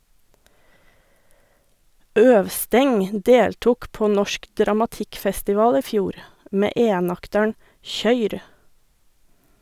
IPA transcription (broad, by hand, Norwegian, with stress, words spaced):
ˈœʋˌstɛŋ ˈdeːltʊk ˈpoː ˈnɔʃk dɾɑmɑˈtɪkfɛstɪˌʋɑːl ˈiː ˈfjuːɾ ˈmeː ˈʔeːnɑktəɳ ˈçœʏɾ